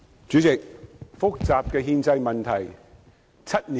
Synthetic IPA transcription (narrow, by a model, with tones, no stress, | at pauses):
t͡ʃy˨˥t͡sɪ˨k̚fʊ˥k̚t͡saː˨p̚kɛː˧ɦiː˧nt͡sɐ˧jmɐ˨nt̪ʰɐ˨˩j | t͡sʰɐ˥t̚ni˨